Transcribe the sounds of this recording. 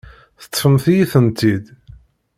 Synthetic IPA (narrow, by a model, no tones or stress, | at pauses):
θə̥t̪ˤːfəmθijiθənt̪id̪